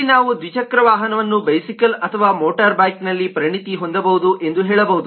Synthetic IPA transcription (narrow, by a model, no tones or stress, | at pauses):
naːʋud̪ʋit͡ʃɐkɾɐʋaːɦɐnɐʋɐnːubɐjsikɐlɐt̪ʰɐʋaːmoːʈɐɾbaːjknɐlːipɐɾɐɳit̪iɦo̞nd̪ɐbɐɦud̪uʔe̞nd̪uɦɛːɭɐbɐɦud̪u